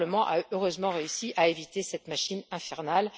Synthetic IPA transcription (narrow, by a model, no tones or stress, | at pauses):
ləmɑ̃ʔaøʁøzmɑ̃ʁeysiʔaevit̪esɛt̪maʃinɛ̃fɛʁnal